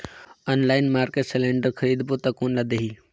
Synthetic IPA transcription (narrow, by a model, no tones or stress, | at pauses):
ənlaːɪnmaːɾkeʈselẽːɳɖəɾkʰɐɾiːd̪put̪ɐkuːnlad̪eɦiː